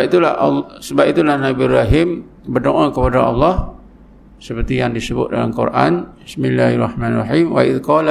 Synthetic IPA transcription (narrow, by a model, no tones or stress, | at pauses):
it̪ulaʔsəbap̚it̪ulahnabiraɦim | bərdoʔakəpadaʔɑlːɑh | səpərt̪ijaŋdisəbʊ̰t̪̚da̰lamkṵɾʔa̰nbɪsmilːaharɑħmãnrɑħimwa̰ʔɪd̪kɑl